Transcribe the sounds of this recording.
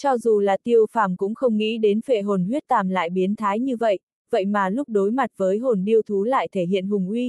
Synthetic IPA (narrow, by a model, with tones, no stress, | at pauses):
t͡ɕɔ˧zu˨˩laː˨˩t̪i˧əwfaː˧˩mkʊ̰˧˥ŋ͡mxə˧wŋ͡mŋḭ˧˥ɗe˨˦nfḛ˧˨˩ɦo˨˩nhwi˦˥ət̚t̪aː˨˩mla̰ː˧˨jɓi˨˦ənt̪ʰaː˨˦jɲɨ˧və̰˧˨j | və̰˧˨jmaː˨˩lʊ˦˥k͡p̚ɗo˨˦jma˨˩t̚vəː˨˦jɦo˨˩nɗi˧əwt̪ʰu˨˦la̰ː˧˨jt̪ʰe˧˩ɦḭ˧˨ənɦʊ˨˩ŋ͡mʔwi˧